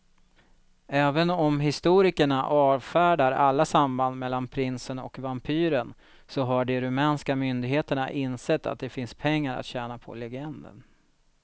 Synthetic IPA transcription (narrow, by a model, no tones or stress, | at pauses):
ɛːvənɔmɦɪst̪uːɾɪkəɳaʔɑːvfæːɖaɾalːasamband̪mɛlːanpʰɾɪnsənɔ̰kvampʰyːɾən | sɔɦaɖɛɾɵmɛːnskamʏnd̪ɪɡɦeːt̪əɳa̰ʔɪnsɛt̪ʰːa̰t̪̚d̪ɛfɪnspʰɛŋːaɾa̰t̪ɕɛːnapʰɔ̰lɛɡɛnd̪ə̰n